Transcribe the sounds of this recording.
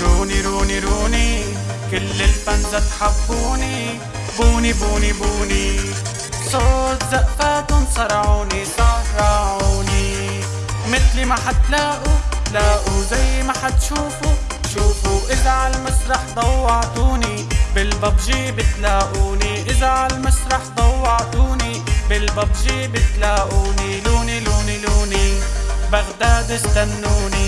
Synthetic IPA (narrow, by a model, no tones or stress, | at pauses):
ɾuːniɾuːniɾuːni | kɪlːɪlfanzat̪ħabːuːni | buːnibuːnibuːni | sˤoːt̪zaʔfaːt̪ʊnsˤɑɾˤɑʕuːnisˤɑrˤːɑʕuːni | mɪθlmaħat̪laːʔulaːʔuzajːmaħat̪ʃuːfu | ʃuːfuʔɪlːaʕalmasɾˤɑħd̪ˤɑwːɑʕd̪uːni | bɪlbɑbʒibɪt̪laːʔuːniʔɪzaʕalmasɾˤɑħd̪ˤɑwːɑʕd̪uːni | bɪlbɑbʒibɪt̪laːʔuːniluːniluːniluːnibaɣd̪aːd̪ɪsd̪anːuːni